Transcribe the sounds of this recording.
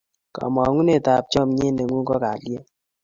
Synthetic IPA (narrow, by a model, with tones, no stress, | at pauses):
ka̰˨mɔ˨ŋu˦ne˦˨ta˨p̚t͡ʃɔ˦mɲe˦ne˨ŋu˦ŋkɔ˦ka˨lje˦